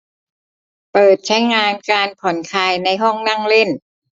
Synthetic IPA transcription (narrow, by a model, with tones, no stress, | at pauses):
pɤː˨˩t̪̚t͡ɕʰa˦˥jŋaː˧nkaː˧npʰɔ˨˩˦nkʰaː˧jna˧jɦɔ˥˩ŋna˥˩ŋle˥˩n